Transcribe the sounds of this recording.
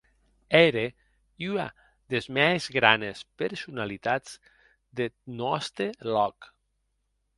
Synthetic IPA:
ɛɾe | ya̰ | ðezmɛzɣɾa̰nespeɾsunalit̪az̥ | d̪enɔst̪elɔk

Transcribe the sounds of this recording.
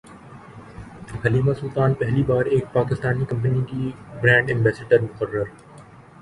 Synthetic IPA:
hɐliːmasʊlt̪aːnpɛɦlibaːɾeːk̚paːkɪst̪aːnikɐ̃mp̬ənikibɾɛ̃ːɳɖɪ̃mbɛːseɖəɾmʊqərːəɾ

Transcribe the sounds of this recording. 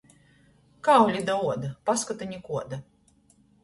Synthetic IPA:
kawlʲid̪auɔd̪apaskɔt̪ɨɲʲikuɔd̪a

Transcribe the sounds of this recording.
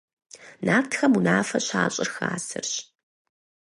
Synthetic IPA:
naːptʰxɐmunaːfɐɕaːɕʼɪrxaːsɨ̰rɕ

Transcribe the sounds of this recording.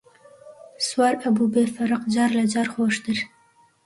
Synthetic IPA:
swɑɾabubefaɾʊqd͡ʒɑɾlad͡ʒɑɾxoʃd̪əɾ

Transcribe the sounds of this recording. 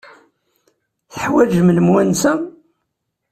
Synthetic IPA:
θəħwæd͡ʒməlmwænsæ

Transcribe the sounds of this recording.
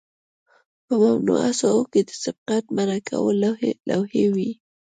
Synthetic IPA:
pəmamnṵa̰saoked̪əsɪb̚qat̪̚maɾakʰa̰wəlla̰whewi

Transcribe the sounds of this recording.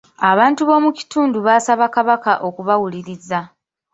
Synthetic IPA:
aβaːntuβo̞muci̥tuːnduβaːsaβakaβakaʔo̞kuβawuliɾiza

